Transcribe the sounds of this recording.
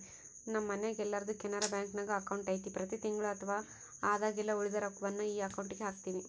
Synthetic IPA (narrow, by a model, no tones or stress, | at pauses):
nɐmːɐneɡɛlːɐɾɐd̪ukɛnːɐɾɐbjaːŋknɐɡɐɐkɐwɳʈɐjt̪ipɾɐt̪it̪iŋɡɐɭuɐt̪ʰɐʋaː | aːd̪aːɡilːɐuɭid̪ɐɾɐkːuʋɐnːuiːɐkɐwɳʈiɡeɦaːkt̪iːʋi